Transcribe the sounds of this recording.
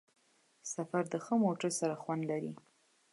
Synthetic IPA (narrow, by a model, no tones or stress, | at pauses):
safaɾd̪əxəmoʈəɾsaɾaxwand̪laɾi